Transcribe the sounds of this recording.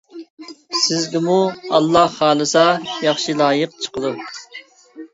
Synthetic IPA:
sɪzɡʲɪmuɑlˠːɑhχɑːlˠɨsɑjɑχʃilˠɑːjəq̚t͡ʃʰə̥qʰədˠu

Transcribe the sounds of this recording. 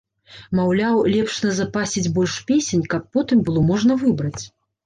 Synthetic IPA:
mawlʲawlʲɛpʂnɐzapasʲid͡zʲbɔlʲʂpʲesʲenʲkapːɔt̪ɨmbɨlˠɔmɔʐnɐvɨbɾɐt͡sʲ

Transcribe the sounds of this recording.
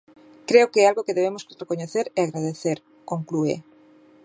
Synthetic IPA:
kɾeokeɛalɣokeðeβemoskoɾekoɲeθeɾɛaɣɾaðeθeɾ | kõŋkluḛ

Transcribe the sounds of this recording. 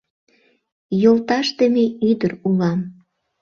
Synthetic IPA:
jolt̪ɑʃt̪ə̆meyd̪ərulɑm

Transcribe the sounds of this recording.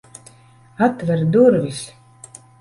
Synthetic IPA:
at̪vɛɾd̪uɾvʲis

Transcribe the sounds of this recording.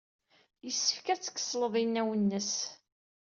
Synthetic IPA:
jəsːə̥fkæt͡sːə̥kːə̥sˤːləðˤinːæwənːəs

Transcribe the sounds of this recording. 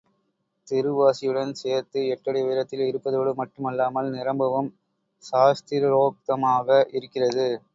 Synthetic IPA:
t̪ɪɾɯʋaːsɪjɯɽɐnseːɾt̪ɯɛʈːɐɽɪʋeːɾɐt̪ːɪlɪɾɯpːɐðoːɽɯmɐʈːɯmɐlːaːmɐlnɪɾɐmbɐʋɐm | saːst̪ɪɾɾoːk̚t̪ɐmaːɣɐʔɪɾɯkːɪrɐðɯ

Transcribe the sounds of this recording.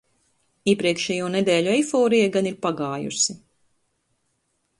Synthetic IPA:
iɛpɾiɛkʃɛjuːned̪ɛːʎʲuɛjfɔːɾijaɡaniɾpaɡaːjṵsi

